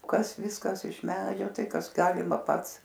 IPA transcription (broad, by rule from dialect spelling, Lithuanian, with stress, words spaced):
ˈkɐs ˈʋʲɪskɐs ɪʃ ˈmʲæːd͡ʒʲoː ˈtɐɪ ˈkɐs ˈɡɑːlʲɪmɐ ˈpɐts